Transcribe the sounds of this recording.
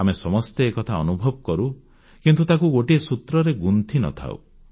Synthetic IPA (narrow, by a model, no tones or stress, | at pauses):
amesɔmɔst̪eːkɔt̪ʰaɔnubʱɔbkɔɾu | kint̪ut̪akuɡoʈiesut̪ɾɔɾeɡunt̪ʰinɔ̰t̪ʰa̰w̰